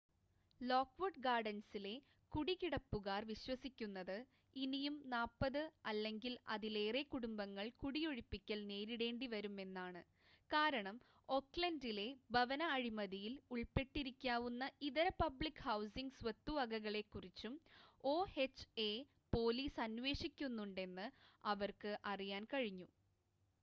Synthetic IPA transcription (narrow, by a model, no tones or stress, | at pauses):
loːkʋɐɖɡaːɖɐnsile̞ | kuɽikiɽɐpːuɣaːrʋiɕwɐsikʲːunːɐðɨ | inijumnaːpːɐðɨɐlːe̞ŋɡilɐ̰ðile̞ːrekuɽumbɐŋːɐɭkuɽijo̞ɻipːikʲːɐlne̞ːɾiɽe̞ːɳɖiʋɐɾume̞nːaːɳɨ | kaːɾɐɳɐm | o̞kɭɐndile̞bʱɐʋɐnɐːɻimɐðijiluɭpe̞ʈːiɾikʲːaːʋunːɐiðɐɾɐpɐbɭikːhɐwsiŋɡsʋɐt̪ːuʋɐɡɐɣɐɭe̞kːurit͡ɕːumo̞ːhe̞t͡ɕːe̞ | po̞ːliːsɐnʋe̞ːʂikʲːunːuɳɖe̞nːɨɐʋɐrkɨʔɐrijaːnkɐɻiɲːu